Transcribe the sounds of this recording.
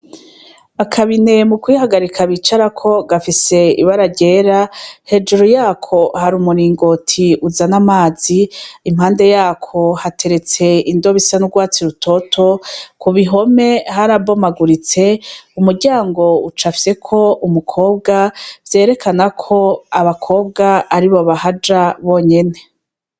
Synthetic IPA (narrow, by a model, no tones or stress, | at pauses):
akʰaβine̞mukwihaɡaɾikʰaβit͡ʃaɾakʰo̞ɡafise̞ḭβaɾaɾɟe̞ɾahe̞d͡ʒuɾujaːkʰo̞haɾumuɾiːŋɡo̞tʰiuzanamaːz̥iːm̥haːnde̞jaːkʰo̞hatʰe̞ɾe̞t͡se̞indo̞βisanuɡwaːt͡siɾutʰo̞tʰo̞kuβiɦo̞me̞ɦaɾabo̞maɡuɾit͡se̞umuɾɟaːŋɡo̞ut͡ʃafi̥se̞kʰo̞ʔumukʰo̞ːb̚ɡavje̞ːɾe̞kʰanakʰo̞aβakʰo̞ːb̚ɡaːɾiβo̞βahad͡ʒaβo̞ːɲe̞ne̞